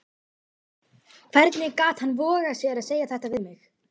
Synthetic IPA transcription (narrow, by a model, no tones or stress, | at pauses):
kʰv̥ɛɾt̪nɪkaːt̪hanvɔːɣasjɛɾaðseːjaθɛht̪avɪðmɪx